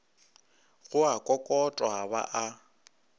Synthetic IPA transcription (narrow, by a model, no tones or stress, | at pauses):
ɣʊakʼɔkʼɔtʼɔɦaβa̰ʔa